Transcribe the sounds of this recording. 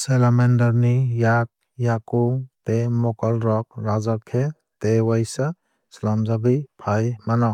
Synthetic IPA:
selamendaɾnijak̚ | jakutemɔkɔlɾɔk̚ɾazaɾkʰe | tewajsa | slamzabijpʰajmanɔ

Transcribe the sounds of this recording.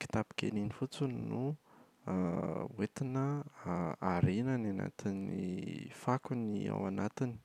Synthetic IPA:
ki̥t̪api̥kḛninifut͡sunnu | wet̪inə | aɾenanana̰t̪inifakunia̰wanat̪ini̥

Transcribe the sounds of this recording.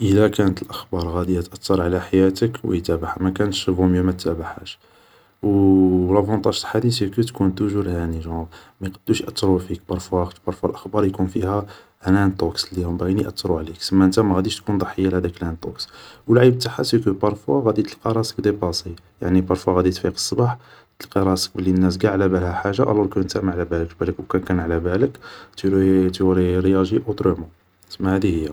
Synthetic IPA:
ʔəlækænət̪əlʔəxbɑɾˤɣæd̪iæt̪ʔət̪ːɑɾˤʕlæħajæt̪əkwə̰jt̪æbaħamækænʃəbumjumæt̪ːæbaħæʃ | wlˤɑfɑnt̪ˤɑʒt̪ħad̪isikət̪kunt̪ʊʒuɾhæniʒɑ̃mæjqɑd̪̥ːuʃʔæt̪ːɾˤufikbɑɾˤfwæbɑɾˤfwælʔəxbɑɾˤjkunfihæ | lænt̪ˤokslihʊmbæɣiniʔə̰t̪ːɾˤuʕliksəmːæʔənt̪æmæɣæd̪iʃt̪kund̪ˤɑħəjːalhæd̪æklænt̪ˤo̰kswəlʕibt̪aħasikəbɑɾˤfwaɣæd̪it̪əlqɑɾˤɑsəkd̪ebɑsˤi | ja̰ʕnibɑɾˤfwaɣæd̪it̪fiqə̥sˤːbɑħ | t̪əlqɑɾˤɑsə̥k̚bəlːinːæs̬ɡaʕlæbælhæħaʒːaʔæ̰lɔɾkunt̪æmʕlæbæləkbæləkwkænkænʕlæbæləkt̪ɾt̪ɾiɾjæʒiʔot̪ɾəmɑ | səmːæhæd̪ihəjːa

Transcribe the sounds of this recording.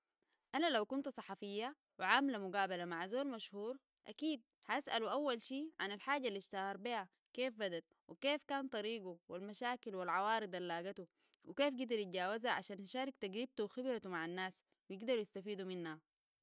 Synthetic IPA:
ʔanalawkunt̪sˤɑħɑfijːa | wiʕaːmlamuɡaːbalamaʕazoːlmaʃhuːɾ | ʔa̰kiːd̪̚haʔasʔaluʔawːalʃiːʕanalħaːɟalːiʃt̪ahɑɾˤbiha | keːfbad̪at̪̚ | wʔikeːfkaːnt̪ˤɑɾiːɡuwilmaʃaːkilwilʕɑwɑːɾɨd̪ˤalːaːɡat̪u | wikeːfɡad̪ɑɾit̪̚ɟaːwazaʕa̰ʃaːnaʃaːɾˤɪk̚t̪aɡɾib̚t̪uwxibɾat̪umaʕanːaːs | wijiɡd̪ɑɾujast̪afiːd̪uminha

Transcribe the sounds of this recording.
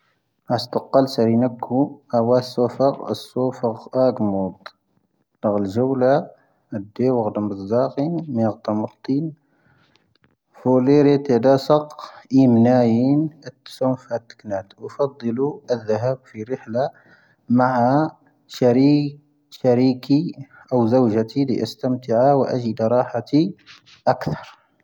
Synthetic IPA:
ʕast̪ɑqːɑlsæɾinəkʰːuʔæwæsːufəɣəsːufəɣʔæɡmud̪ˤ | dɑɣəlʒəwla | d̪ːewəɣd̪əməzd̪ɑqinmiɣt̪ˤɑməɾˤt̪ˤin | fuleɾet̪ed̪ɑsɑqʔimnæjinət̪ːsumfhæt̪ːə̥knæt̪fɑd̪ˤːəluəðːəɦæbfiɾəħla | maʕa | ɾ | ʃæɾiki | ʔəwzəwʒæt̪ilḭʔəst̪əmt̪əʕawʔæ̰ʒid̪ɾˤɑħat̪i | ʔækt̪ɑɾˤ

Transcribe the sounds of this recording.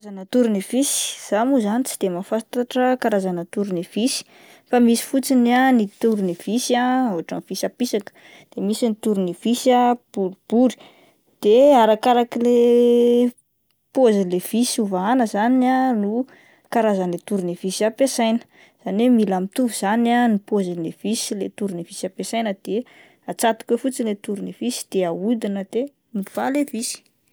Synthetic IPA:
azanət̪uɾunevisi̥z̥amuzanit͡si̥d̪̥emafat̪aʈ͡ʂəkaɾazanət̪uɾunev̥isi̥ | famisi̥fut͡sinanit̪uɾuniv̥isaoɦaʈ͡ʂav̥isapisakə̥ | d̪̥emisinit̪uɾuniv̥isab̥uɾib̥uɾi̥ | d̪̥eaɾakaɾakile | pozilev̥isuvaanəzananu | kaɾazənlet̪uɾinevisiapesajnə̥ | z̥anemilamit̪uvuz̥ananipozilev̥isilet̪uɾinev̥isapesajnəd̪̥e | at͡sat̪i̥kwefut͡silet̪uɾinevisi̥d̪̥eaud̪inəd̪e | miv̥alevisi̥

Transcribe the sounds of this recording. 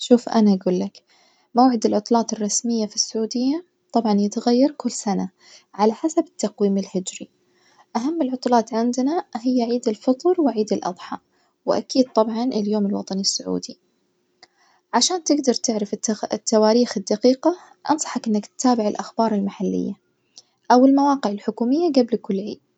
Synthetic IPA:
ʃuːfʔa̰naʔaɡuːlːak | mawʕɪd̪ɪlʕʊt̪ˤlɑːt̪ɪrˤːɑsmɪjːafisːʊʕuːd̪ɪjːa | t̪ˤɑbʕɑnjɪt̪ɣajːɑɾˤkʊlːsana | ʕalaħasabɪ̥t̪ːaqwiːmɪlhɪd͡ʒɾi | ʔaɦamːɪlʕʊt̪ˤlɑːt̪ʕɪnd̪naɦɪjːaʕiːd̪ɪlfɨt̪ˤɾwɪʕiːd̪ɪlʔɑ̰d̪ˤħɑ̰ | wɪʔa̰kiːd̪̚t̪ˤɑbʕɑnʔɪljoːmɪlwɑ̰t̪ˤɑnisːʊʕṵːd̪i | ʕaʃaːnt̪ɪɡd̪ɑɾˤt̪ɪʕɾaft̪ːawaːɾiːxɪd̪ːaqiːqa | ʔɑ̰nsˤɑ̥ħɑkʔɪnːakt̪t̪aːbɪʕɪlʔaxbɑːɾˤɪlmaħalːɪ̰jːa | ʔawɪlmawɑːqɪʕɪlħʊkuːmɪjːaɡablkʊlːʕḭːd̪̥̚

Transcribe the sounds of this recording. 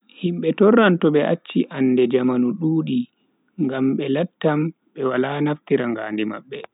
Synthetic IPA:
himɓɛtɔrːantɔɓɛʔat͡ʃːiʔanːdɛd͡ʒamanuɗuːɗi | ŋɡamɓɛlatːam | ɓɛwalanaftiɾaŋɡa̰ːndima̰ɓːɛ

